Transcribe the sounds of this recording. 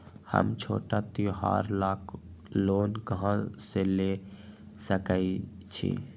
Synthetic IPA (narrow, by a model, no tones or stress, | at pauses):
hə̰mt͡ʃʰo̰ːʈat̪ioɦa̰ɾlaːkʰ | loːnkəɦãsele | səkəi | t͡ʃʰḭ